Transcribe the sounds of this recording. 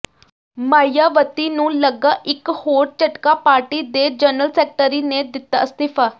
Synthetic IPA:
maːijaːʋət̪iːnũːləɡaːʔɪkhoːɾt͡ʃəʈkaːpaːɾʈiːd̪eːd͡ʒənəlsɛːk̚ʈəɾiːneːd̪ɪt̪ːa̰ːst̪ɪpʰaː

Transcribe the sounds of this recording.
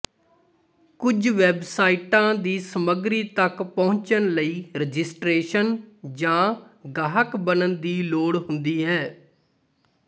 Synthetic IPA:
kʊd͡ʒʋɛbsaːiːʈãːd̪iːsəməɡɾiːt̪əkpõːɲt͡ʃənləiːɾəd͡ʒɪsʈɾeːʃənd͡ʒãːɡaːɦəkbənənd̪iːloːɽɦʊnd̪iːɦɛː

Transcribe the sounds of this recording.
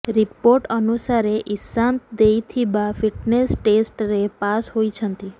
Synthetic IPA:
ɾipoɾʈənusaɾeʔisãnt̪d̪ejt̪ʰibafiʈnesʈesʈɾepasɦojt͡ʃʰənt̪i

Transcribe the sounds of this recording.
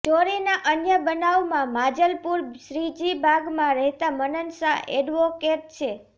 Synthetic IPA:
d͡ʒoɾinaʔənjəbənaʋmãmad͡ʒəlpuɾʃɾid͡ʒibʱaɡmãɾəɦt̪amənənsaʔɛɖʋokeʈ̚t͡ʃʰe

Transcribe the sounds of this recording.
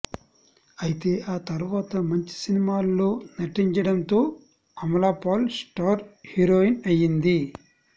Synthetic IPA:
ɐjit̪e̞ːʔaːt̪ɐɾuʋaːt̪ɐmɐɲt͡ʃi̥sinimaːlːo̞ːnɐʈːiɲt͡ʃɐɽɐnt̪o̞ː | ɐmɐlaːpaːlsʈaːɾhiɾoːinɐjind̪i

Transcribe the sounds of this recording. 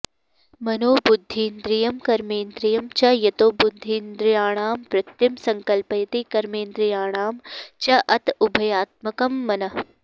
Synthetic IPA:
mɐnoːbʊd̪ʱːiːnd̪ɾijɐmkɐɾmeːnd̪ɾijɐmt͡ʃɐjɐt̪oːbʊd̪d̪ʱːiːnd̪ɾɪjaːɳ̃aːmpɾɪt̪ːimsɐŋkɐlpɐjɐt̪ikɐɾmeːnd̪ɾɪjaːɳ̃aːmt͡ʃɐʔɐt̪ʊbʱɐjaːt̪̚mɐkɐmːɐnɐ

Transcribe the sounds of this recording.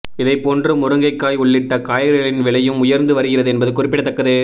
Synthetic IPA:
ɪðɐɪpːoːndrɯmʊɾɯŋɡɐɪkːaːjʊɭːɪʈːɐkaːjɐɾɐɭɪnʋɪɭɐjɯmʊjɐɾnd̪ɯʋɐɾɯɣɪrɐðɯɛnbɐðɯkʊrɪpːɪɽɐt̪ːɐkːɐðɯ

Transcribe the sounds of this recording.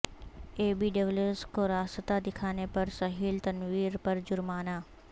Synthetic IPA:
eːbiːɖɐʋleskoɾaːsət̪ad̪ɪkʰaːnepɐɾsɐɦiːlt̪ɐnwiːɾpɐɾd͡ʒʊɾmaːnaː

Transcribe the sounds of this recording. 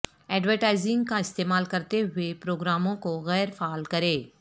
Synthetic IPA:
ɛːɖʋəɾʈaːɪzɪ̃ŋɡkaɪst̪eːmaːlkɐɾt̪eɦʊepɾoːɡɾaːmõkoɣɛːɾfaːlkɐɾeː

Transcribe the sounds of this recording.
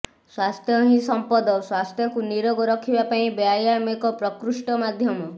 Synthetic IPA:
swast̪ʰjɔɦĩsɔmpɔd̪ɔswast̪ʰjɔkuniɾɔɡɔɾɔkʰibapaĩbeajamekɔpɾɔkɾuʃʈɔmad̪ʱjɔmɔ

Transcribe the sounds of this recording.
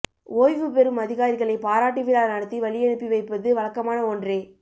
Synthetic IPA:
ʔoːjʋɯpɛɾɯmɐðɪɣaːɾɪɣɐɭɐɪpaːɾaːʈːiʋɪlaːlnɐɽɯt̪ːiʋɐɭɪjɛɳɯpːiʋɐɪpːɐðɯʋɐɭɐkːɐmaːnɐɔndreː

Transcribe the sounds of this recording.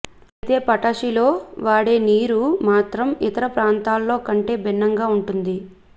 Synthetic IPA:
ɐt̪e̞ːpɐʈɐʂilo̞ːʋaːɽe̞ːniːɾumaːt̪ɾɐmit̪ɐɾɐpɾaːnt̪aːlːo̞ːkɐɳʈe̞ːbʱinːɐŋɡaːuɳʈund̪i

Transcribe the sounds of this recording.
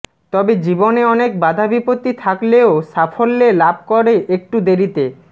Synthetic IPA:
t̪ɔbed͡ʑiboneɔnek̚bad̪ʱabipot̪ːit̪ʰakleosafolːelab̚ʱkoɾeʔek̚ʈud̪eɾit̪e

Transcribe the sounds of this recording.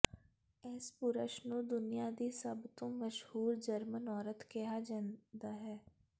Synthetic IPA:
ɛːspʊɾəʃnũːd̪ʊnijaːd̪iːsəbt̪õːməʃhuːɾd͡ʒəɾmənɔːɾət̪keɦaːd͡ʒə̃nd̪aːɦɛː

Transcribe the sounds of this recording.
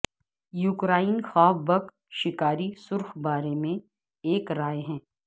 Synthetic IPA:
jukɾaːinxaːbbɐk | ʃɪkaːɾisʊɾxbaːɾemẽ | eːkɾaːeɦɛ̃ː

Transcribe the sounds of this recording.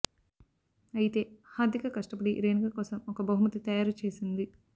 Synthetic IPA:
ɐjit̪e̞ːhaːd̪ʱjɐkɐkɐʂʈɐpɐɽiɾeːnikɐkɔːsɐmɔkɐbɐɦumɐt̪it̪ɐjaːɾɐt͡ʃe̞ːsind̪i

